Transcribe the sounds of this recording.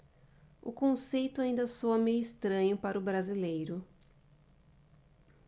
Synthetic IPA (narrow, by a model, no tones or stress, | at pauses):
ʊkõsejt̪ʊaĩnd̪ɐsoɐmeɪst̪ɾɐ̃ɲʊpaɾʊbɾazilejɾʊ